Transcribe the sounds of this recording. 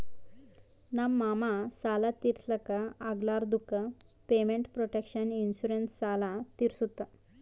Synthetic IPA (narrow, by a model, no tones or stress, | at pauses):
nammːamasalat̪iɾsləkaaɡlaɾd̪ukə | pemeɳʈpɾoʈekɕəninɕuɾensːalat̪iɾsut̪a